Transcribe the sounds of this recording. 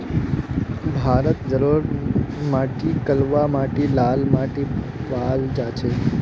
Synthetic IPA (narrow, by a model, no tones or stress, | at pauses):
bʱaːɾət̪d͡ʒəɾuɾmaːʈikəlʋamaːʈilaːlmaʈi | baːld͡ʒat͡ʃʰe